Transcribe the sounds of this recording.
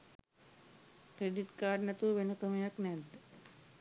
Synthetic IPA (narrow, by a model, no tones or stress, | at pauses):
kɾeɖiʈkaːɾɖnɐt̪uʋenɐkəmjɐknɛd̪